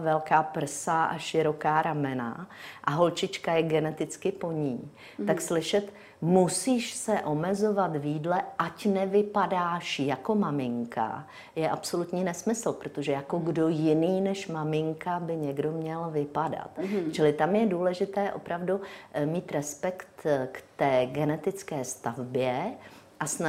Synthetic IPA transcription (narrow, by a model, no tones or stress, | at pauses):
vɛlkaːpr̩saʔa̰ʃɪɾo̞kaːɾamɛna̰ʔaɦo̞lt͡ʃɪt͡ʃkajɛɡɛnɛt̪ɪt͡skɪpo̞ɲiː | akslɪʃɛt̪ | musiːʃsɛʔo̞mɛzo̞vat̪vjiːdlɛʔacnɛvɪpadaːʃjako̞mamɪŋka̰ | jɛʔapso̞lut̪ɲiːnɛsmɪsl̩pɾot̪o̞ʒɛjako̞ɡdo̞jɪniːnɛʃmamɪŋkabɪɲɛɡdo̞mɲɛlvɪpada̰t̪t͡ʃɪlɪt̪amjɛduːlɛʒɪt̪ɛːʔo̞̰pɾavdumiːt̪ɾɛspɛkt̪kt̪ɛːɡɛnɛt̪ɪt͡skɛːst̪avbjɛ | ʔasna